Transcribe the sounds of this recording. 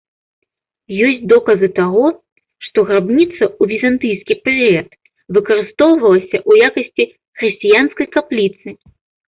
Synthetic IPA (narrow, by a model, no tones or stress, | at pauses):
jɔsʲtt͡sʲd̪ɔkɐzɨt̪aɣɔ | ʂt̪ɔɣɾabnʲit̪sɐuvʲizant̪ɨjskʲipɛɾɨɛt̪ | vɨkɐɾɨst̪ɔwvɐlˠɐsʲɐʔujakɐsʲt͡sʲi | xɾɨsʲt͡sʲijanskɐjkaplʲit̪sɨ